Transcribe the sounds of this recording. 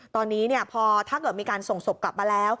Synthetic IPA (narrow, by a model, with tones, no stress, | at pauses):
t̪ɔː˧nːiː˦˥ni˥˩ɐpʰɔː˧t̪ʰaː˥˩kɤː˨˩miː˧kaː˧nso˨˩ŋso˨˩p̚kla˨˩p̚maː˧lɛː˦˥w